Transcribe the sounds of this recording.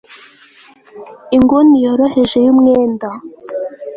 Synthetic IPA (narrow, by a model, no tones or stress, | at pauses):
iŋɡonijoɾoheʒe̞jumŋeːnda